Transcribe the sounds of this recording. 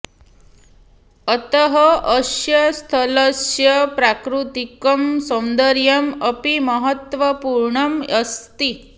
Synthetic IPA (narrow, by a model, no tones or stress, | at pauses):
ət̪əɦəʔəsjɐst̪ʰələsjɐpɾakɾut̪ikɐmsɐw̃nd̪əɾjɐməpiməɦət̪ʋəpuɾɳɐməst̪i